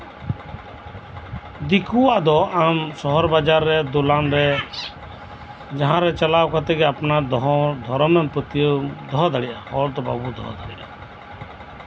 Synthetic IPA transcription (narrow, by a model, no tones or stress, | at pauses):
d̪ikʰuwaʔd̪ɔʔamsɔɦɔɾbad͡ʒaɾːɛd̪ɔlanɾɛ | d͡ʒaɦãɾɛt͡ʃalawkɔt̪ɛɡɛapnad̪ʱɔɾɔmɛmpət̪ijəd̪ɔɦd̪ʱaɽiʔahɔɾd̪ɔba̰bud̪ʱɔ̰ɦd̪ʱaɽiɗa̰